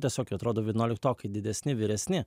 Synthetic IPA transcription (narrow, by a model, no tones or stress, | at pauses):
t̪ɛsɔkʲɔt̪ɾɔd̪uʋʲinɔːlʲɪkt̪ɔːkid̪ʲid̪ɛsʲnʲiʋʲiɾɛsʲnʲi